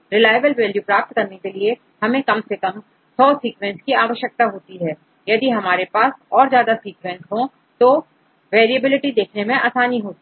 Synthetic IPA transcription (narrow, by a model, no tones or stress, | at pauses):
ɾɪlaːjʋəlʋeːljupɾaːp̚t̪kɐɾnekelie | hɐmẽkɐmsekɐm | sɔːsiːkʋɛ̃nskiaːʋəʃjək̚t̪aɦoːt̪iɦɛː | jɐd̪iɦɐmaːɾepaːsɔːɾzjaːd̪asiːkʋɛ̃nsɦõ | t̪o | ʋeːɾiəbɪlɪʈid̪eːkʰnemẽʔaːsaːniɦoːt̪i